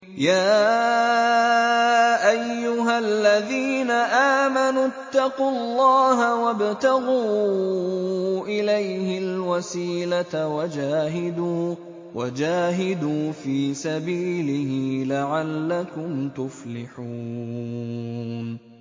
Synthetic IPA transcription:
jaː | ʔajːʊɦalːaðiːnaʔaːmanut̪ːɑqulˤːɑːɦawabt̪aɣuː | ʔɪlajhɪlwasiːlat̪awad͡ʒaːɦɪd̪uː | wad͡ʒaːɦɪd̪uːfiːsabiːlɪhɪlaʕalːakʊmt̪ʊflɪħuː | n

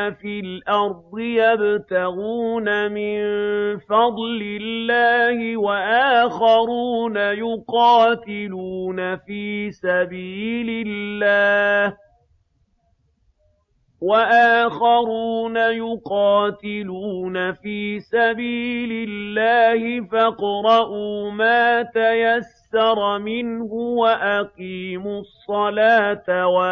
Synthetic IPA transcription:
afilʔɑɾˤd̪ˤɨjabt̪aɣuːnamɪnfɑd̪ˤlɪlːaːhɪwaʔaːxɑɾuːnajʊqɑːt̪ɪluːnafiːsabiːlɪlːaːh | waʔaːxɑɾuːnajʊqɑːt̪ɪluːnafiːsabiːlɪlːaːhɪfɑqɾˤɑʔuːmaːt̪ajasːɑɾˤmɪnhʊwaʔaqiːmʊsˤːɑlaːt̪awa

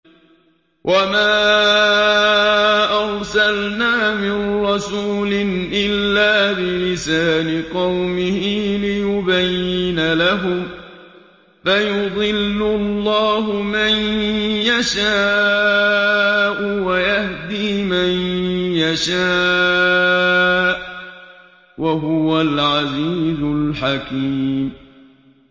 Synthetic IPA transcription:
wʔamaː | ʔɑɾsalnaːmɪnɾɑsuːlɪnʔɪlːaːbɪlɪsaːlɪqɑwmɪhilɪjʊbajːɪnalaɦʊm | fajʊd̪ˤɨlːʊlˤːɑːɦʊmanjaʃaː | ʔʊwajahd̪iːmanjaʃaː | ʔ | waɦʊwalʕaziːzʊlħakiːm

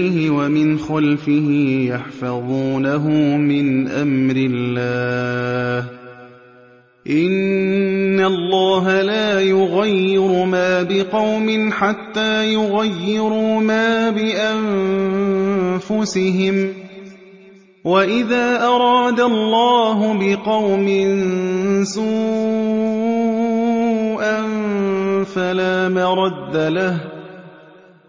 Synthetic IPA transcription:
ɪhɪwamɪnxalfɪɦɪjɑħfɑðˤuːnaɦʊmɪnʔa̰mɾɪlːaːh | ʔɪnː | alˤːɑːɦalaːjʊɣajːɪɾʊmaːbɪqɑwmɪnħat̪ːaːjʊɣajːɪɾumaːbɪʔam | fʊsɪɦɪm | waʔɪðaːʔɑɾˤɑːd̪alˤːɑːɦʊbɪqɑwmɪnsuː | ʔan | falaːmaɾˤɑd̪ːalah

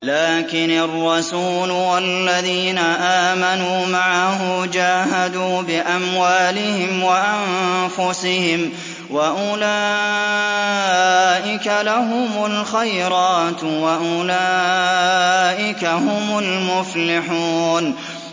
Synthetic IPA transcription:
laːkɪnɑrˤːɑsuːlwalːaðiːnaʔaːmanuːmaʕahʊd͡ʒaːhad̪uːbɪʔamwaːlɪhɪmwaʔamfʊsɪhɪm | waʔʊlaː | ʔɪkalaɦʊmʊlxajɾɑːt̪waʔʊlaː | ʔɪkahʊmʊlmʊflɪħuːn

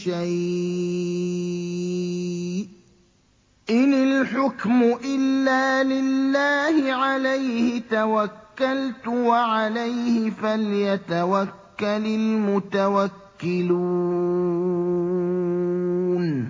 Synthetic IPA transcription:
ʃaj | ʔɪnɪlħʊkmʊʔɪlːaːlɪlːaːhɪʕalajhɪt̪awakːalt̪ʊwaʕalajhɪfaljat̪awakːalɪlmʊt̪awakːɪlu | n

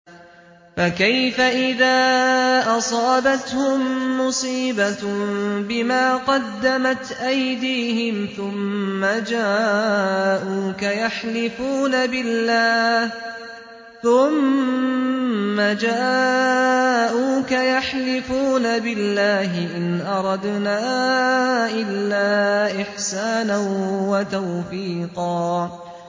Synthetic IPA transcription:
fakajfaʔɪðaːʔɑsˤɑːbat̪hʊmːʊsiːba | bɪmaːqɑd̪ːamat̪ʔajd̪iːhɪmθʊmːad͡ʒaː | ʔuːkajaħlɪfuːnabɪlːaːh | θʊm | ad͡ʒaː | ʔuːkajaħlɪfuːnabɪlːaːɦɪʔɪnʔɑɾˤɑd̪naː | ʔɪlːaːʔɪħsaːnanwat̪awfiːqɑː

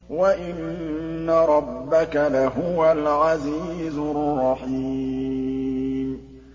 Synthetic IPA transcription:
waʔɪnnː | aɾˤɑbːakalaɦʊwalʕaziːzʊrːɑħi | m

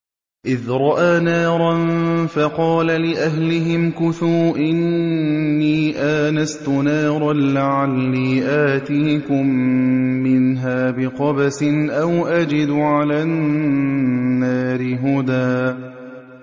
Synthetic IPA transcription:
ʔɪðɾˤɑʔaːnaːɾˤɑnfɑqɑːlalɪʔaɦlɪɦɪmkʊθuːʔɪnː | iːʔaːnast̪ʊnaːɾˤɑnlaʕalːiːʔaːt̪iːkʊmː | ɪnɦaːbɪqɑbasɪnʔawʔad͡ʒɪd̪ʊʕalaːnː | aːɾɪɦʊd̪aː

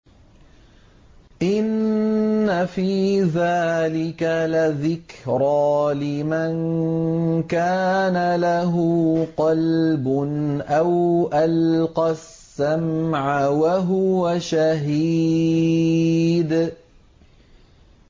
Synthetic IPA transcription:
ʔɪnː | afiːðaːlɪkalaðɪkɾɑːlɪman | kaːnalaɦʊqɑlbʊnʔawʔalqɑsːamʕawaɦʊwaʃaɦi | d̪

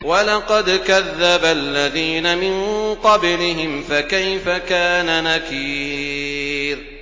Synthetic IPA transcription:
walɑqɑd̪kaðːabalːaðiːnamɪnqɑblɪɦɪmfakajfakaːnanakiː | ɾ

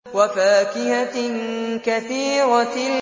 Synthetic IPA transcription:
wafaːkɪha | kaθiːɾa

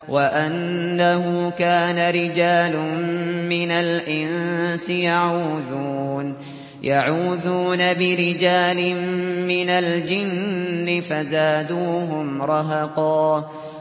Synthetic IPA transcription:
wʔaʔanːaɦʊkaːnaɾɪd͡ʒaːlʊmːɪnalʔɪnsɪjaʕuːðuːn | jaʕuːðuːnabɪɾɪd͡ʒaːlɪmmːɪnald͡ʒɪnnnːɪfazaːd̪uːɦʊmɾˤɑɦɑqɑː

